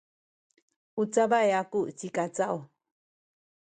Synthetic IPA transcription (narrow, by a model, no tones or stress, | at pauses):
ut͡sabaeakuʔt͡sikat͡sao